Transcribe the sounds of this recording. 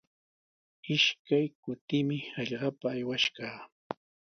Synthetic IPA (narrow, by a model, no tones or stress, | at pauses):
ɪʃkajkʊt̪ɪmɪɑʎɢɑpaːjwaʃkɑː